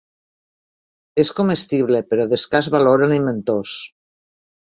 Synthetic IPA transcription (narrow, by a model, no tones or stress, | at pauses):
eskomest̪iβ̞lepeɾɔðeskazβaloɾaniment̪os